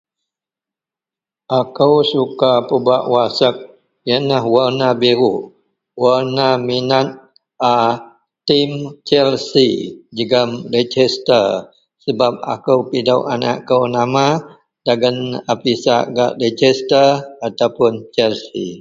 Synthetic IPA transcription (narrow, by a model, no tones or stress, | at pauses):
ʔakəwsukapəbaʔwasək̚ | jənahwarnabiɾu | warnaminat̪̚ | ʔa | t̪imt͡ʃɛlsid͡ʒəɡəmɾed͡ʒɛst̪ər | səbap̚a̰kəwpidawʔana̰ʔkəwnama | d̥aɡanapisaʔɡa̰ʔred͡ʒɛst̪ərat̪awpʊnt͡ʃɛlsḭ